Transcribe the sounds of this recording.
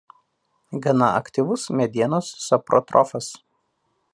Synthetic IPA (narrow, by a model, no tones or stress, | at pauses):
ɡɐnɐɐkt̪ʲiʋʊsmʲɛd̪ʲiɛnosːɐpɾɔ̰t̪ɾɔfɐs